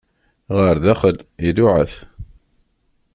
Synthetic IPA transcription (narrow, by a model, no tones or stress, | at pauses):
ʁəɾðæχəlilʊʕəθ